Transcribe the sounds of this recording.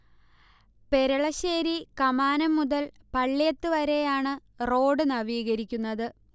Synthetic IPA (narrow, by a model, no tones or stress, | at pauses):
pe̞ɾɐɭɐɕeːɾikɐmaːnɐmːuðɐl | pɐɭːjɐt̪ːɨʋɐɾe̞jaːɳɨ | ro̞ːɖɨnɐʋiːɣɐɾikʲːunːɐðɨ